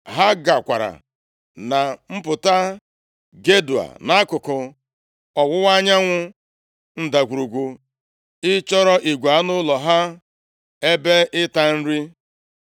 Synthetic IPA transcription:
ɦa˦ɡa˨kʷa˨ɾa̰˨ | na˨m̩˦pʊ˨ta˦ | ɡe˦du˨a̰˨na˦a˦kʊ˨kʊ˨ | ɔ˨wʊ˦wa˦ɲa˦ŋʷʊ˦ | n̩˦da˨kʷu˨ɾu˨ɡʷu˨ | ɪ˦t͡ʃɔ˦ɾɔ˦ʔi˨ɡʷa˨a˦nʊ˦lɔ˨ɦa˦ | e˦be˦ʔɪ˦ta˦n̩˦ɾi˦

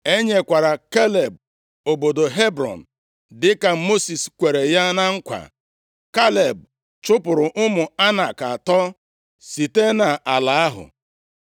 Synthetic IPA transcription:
e˦ɲe˨kʷa˨ɾa˨ke˦le˨b̚ | o˨bo˨do˨ɦe˦bɾɔ̰˨n̩˨ | dɪ˦ka˨˦mo˦si˨skʷe˨ɾe˨ja˦na˦ŋ̩˦kʷa̰˨ | ka˦le˨b̚ | t͡ʃʊ˦pʊ˨ɾʊ˨ʔʊ˦mʊ˨a˦na˨ka˨tɔ˦ | si˨te˦na˨ʔa˨la˨a˦ɦʊ̰˨

